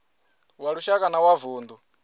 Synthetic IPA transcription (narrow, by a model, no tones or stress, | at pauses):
waɺuʃakʼanawavuːnd̪u